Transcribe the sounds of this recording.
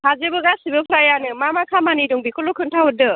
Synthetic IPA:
hazebɯɡasibɯpʰɾajanɯmamakʰamaniduŋbikʰɔlɔkʰɯntʰawɯdɯ

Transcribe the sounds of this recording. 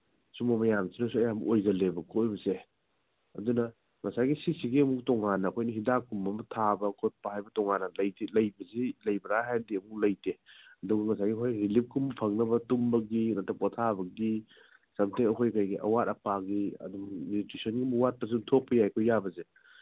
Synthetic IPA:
sumɐmɐjamsinɐsuɐjamʔojɡɐlebɐkʰojbɐse | ɐ̰dunɐ | ŋɐsajɡisisiɡiɐmuk̚tɔŋanːɐːkʰojnɐɦidakumɐmɐtʰabɐkʰot̚pɐhajbɐtɔŋanːɐlɐjtilɐjbɐzilɐjbɐɾaɦajdiɐmuk̚lɐjteɐduɡɐŋɐsajɡikʰojɾilip̚kʰumɐpʰɐŋnɐbɐtumbɐɡinɐtɐk̚pɐtʰabɐɡi | sɐmtʰeŋɐkʰojkajɡiʔɐ̰wat̚ɐpaɡiɐ̰dummiutɾisonɡimuwat̚pɐsutʰok̚pɐjajkʰojabɐze

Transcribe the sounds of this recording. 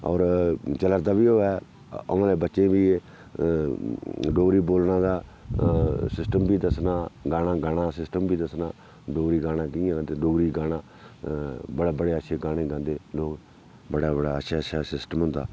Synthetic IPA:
ɔːɾt͡ʃələɾd̪aːbiːɦoːɛː | o̰ãːleːbətːʃẽːʋiː | ɖoːɾiːboːlnãːd̪aː | sɪsʈəmbiːd̪əsnaːɡaːnaːɡaːɽãːsɪsʈəmbiːd̪əsnaː | ɖoːɾiːɡaːnãːkɪiãːt̪eːɖoːɾiːɡaːɽãː | bəɽaːbəɽeːətːʃʰeːɡãːɽ̃ẽːɡãːnd̪eːloːɡ | bəɽaːbəɽaːətːʃʰaːətːʃʰaːsɪsʈəmɦʊ̃nd̪a̰ː

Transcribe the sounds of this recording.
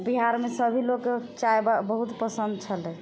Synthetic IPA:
biɦaɾmesəbʱiloɡet͡ʃajbabəɦut̪pəsənd̪̚t͡ʃʰəlɛ

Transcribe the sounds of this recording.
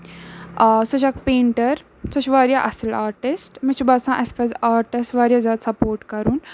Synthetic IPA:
sɔt͡ʃʰakpeːɳʈəɾ | sot͡ʃʰʋaːɾjaːʔɐsəlaːɾʈɪsʈmit͡ʃʰubaːsãːʔɐspɐzaːɾʈɪsʈʋaːɾjaːzʲjaːd̪sɐpoːɾʈkɐɾuːn

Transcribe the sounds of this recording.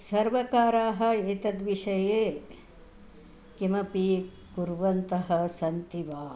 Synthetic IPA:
sɐɾʋɐkaːɾaːɦɐ̆et̪ɐd̪ʋiʃɐjeː | kimɐpi | ɡuɾʋɐnt̪ɐɦɐsɐnt̪iʋaː

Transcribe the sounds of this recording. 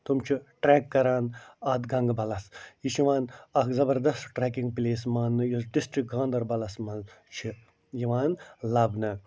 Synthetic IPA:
t̪umt͡ʃʰiʈɾeːkːɐɾaːnat̪ɡɐŋɡbɐlɐsjiʃiʋaːnɐkzɐbɐɾd̪ɐst̪ʈɾɛːkiŋɡ̚pileːsmaːnːɨjusɖisʈɾik̚ɡãːnd̪ɐɾbɐlɐsmɐnt͡ʃʰi | jiʋaːnlɐbnɨ

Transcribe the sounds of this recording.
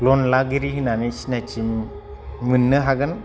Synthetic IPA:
lonlaɡiɾiɦinanit͡ʃnat͡ʃim | mɯnːɯɦaɡɯn

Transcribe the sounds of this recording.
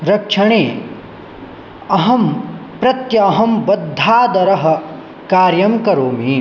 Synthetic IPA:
ɾɐkʂʰɐɳeː | ɐɦɐmpɾɐt̪jɐːɦɐmbɐd̪ʱːaːd̪ɐɾɐɦɐ̆ | kaːɾjɐmkɐɾoːmiː

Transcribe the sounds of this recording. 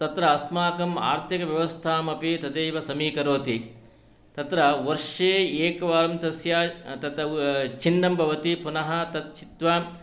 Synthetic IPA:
t̪ɐt̪ɾɐːsmaːkɐma̰ːɾt̪ʰɐkɐʋjɐʋɐst̪ʰaːmɐpit̪ɐd̪eːʋɐsɐmiːkɐɾoːt̪i | t̪ɐt̪ɾɐʋɐɾʂeːeːkɐʋaːɾɐmt̪ɐsjaːt̪ɐt̪ɐt͡ʃinɖɐmbʱɐʋɐt̪ipunɐɦɐ̆t̪ɐt̪̚t͡ʃit̪ʋa

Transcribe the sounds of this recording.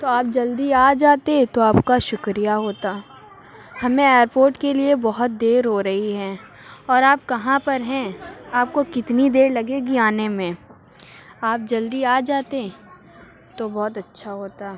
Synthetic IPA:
t̪oaːp̚d͡ʒɐld̪iaːd͡ʒaːt̪et̪oaːpkaʃʊkɾijaɦoːt̪aː | hɐmẽeːəɾpoːɾʈkeliebɔɦʊt̪̚d̪eːɾɦoɾɐɦiɦɛ̃ː | ɔːɾaːp̚kɐɦãpɐɾɦɛ̃aːp̚kokɪt̪nid̪eːɾlɐɡeɡiaːnemẽ | aːp̚d͡ʒɐld̪iaːd͡ʒaːt̪e | t̪obɔːʊt̪ɐtːʃʰaɦoːt̪aː

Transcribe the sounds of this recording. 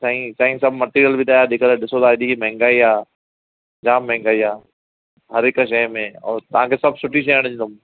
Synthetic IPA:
saːɦĩsaːĩsɐbʱmɐʈiːɾijəlbʱit̪ʰaːjaːɗɪkəlɗɪsod̪aːɗikimɛɦɛ̃ŋɡaːiɦaː | d͡ʑaːmːɛ̃ɦŋɡaːiaː | ɦɐɾɪkʃɐjmẽɔ̰ːɾt̪ɐʋ̤ɦãkʰeːsɐb̚sʊʈiʃ̬eɐɽ̃ɪ̃ɲd̪ʊm

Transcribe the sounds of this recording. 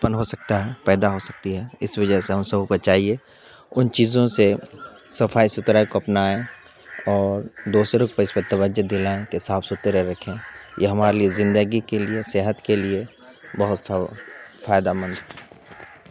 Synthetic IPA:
t̪pənɦosɐk̚t̪aɦɛpɛːd̪aɦosɐk̚t̪iɦɛːɪsʋɐd͡ʒəɦseɦɐmsɐbkɐt͡ʃaːɦie | ʊnt͡ʃiːzõse | sɐfʰaːisʊt̪ɾaːekoɐpnaːẽ | ɔːɾd̪oːsɾʊk̚pɐɪspət̪ɐʋəd͡ʒəd̪ɪlaːẽkesaːfsʊt̪eɾeɾɐkʰẽjeɦɐmaːɾeliezɪ̃nd̪əɡikelieseːɦət̪kelie | bɐɦʊt̪ | faːjd̪amə̃nd̪ɦɛ

